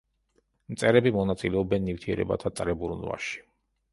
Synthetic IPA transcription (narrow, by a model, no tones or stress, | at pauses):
mt̪sʼɛɾɛbimɔnat̪sʼilɛɔbɛnːift̪ʰiɛ̰ɾɛ̰ba̰t̪ʰat̪ʼɾɛbuɾnva̰ʃi̥